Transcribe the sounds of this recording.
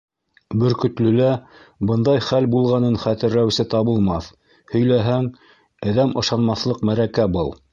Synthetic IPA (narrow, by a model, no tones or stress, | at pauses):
bɵ̆ɾkɵ̆t̪lɵ̆læbɤ̆nd̪ɑjχælbulˠʁɑnɤnχæt̪ɘ̆ɾːæwsɘt̪ɑβɤ̆lˠmɑθ | hɵ̆jlæɦæŋ | ɘ̆ðæmʔɤ̆ʃɑnmɑθlˠɤqmæɾækæbɤlˠ